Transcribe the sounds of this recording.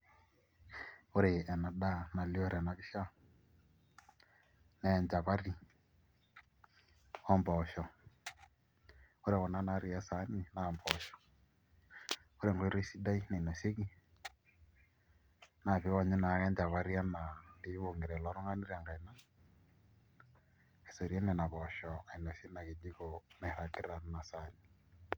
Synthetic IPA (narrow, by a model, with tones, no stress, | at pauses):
o˦ɾe˨ʔɛ˨na˨ɗa˦˨na˨li˦ɔ˦ɾɛ˨na˨ki˦ʃa˦ | nɛ˨nd͡ʒa˨βa˦ɾi˦ | ɔ˦mbɔ˨ʃɔ˨ | o˦ɾe˨ɣɔ˨na˦na˦ɾi˦a˦sa˨˦ni˦na˨mbɔ˨ʃɔ̥˨ | o˦ɾɛ˦˨ŋɡe˦ɾe˦si˦da˦i˦na˨i˨nɔ˨se˦ɣi˦ | na˨βe˨˦wa˦˨ɲɛ˦na˨˦ɣɛ˦ɲd͡ʒa˨βa˦ɾi˦a˦na˨nde˦βo˨ŋɡe˨ɾɛ˨lɔ˨˦ɾo˦ŋɡa˦ni˦ɾi˦a˨ŋɡa˨i˨na˦ | ɛ˨sɔ˨ɾi˦ɛ˦nɛ˨na˨βɔ˨ʃɔ˨a˨i˨nɔ˨se˦na˨ɣe˨d͡ʒi˦ɣo˨nɛ˨ɾa˨ke˦ɾa˨n˦na˨sa˦ni˨